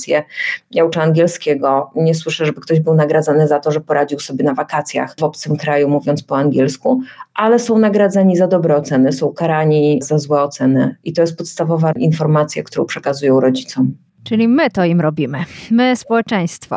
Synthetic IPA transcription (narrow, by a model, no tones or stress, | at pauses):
sʲjɛjaut͡ʂaːŋɡʲɛlskʲɛɡɔɲɛs̬wɘʂɛʐɛbɘkt̪ɔʑbɘwnaɡɾad̪zanɘzat̪ɔʐɛpɔɾʔad͡ʑiwsɔbʲjɛnavakat̪sʲja̰xvɔpt̪sɘmkɾajumuvʲjɔnt̪spɔaŋɡʲɛlskuʔalɛsɔ̃w̃naɡɾad̪zaɲizad̪ɔbɾɛɔt̪sɛnɘsɔ̃w̃kaɾaɲizazwɛɔt̪sɛnɘit̪ɔjɛst̪pɔt̪st̪avɔvaʔinfɔɾmat̪sʲjakt̪uɾɔ̃w̃pʂɛkazujɔ̃w̃ɾɔd͡ʑit̪sɔm | t͡ʂɘlʲimɘt̪ɔimɾɔbʲimɘmɘspɔwɛt͡ʂɛj̃st̪fɔ̰